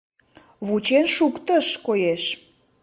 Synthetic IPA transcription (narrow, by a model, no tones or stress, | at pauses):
βut͡ɕenʃukt̪ə̆ʃkojeʃ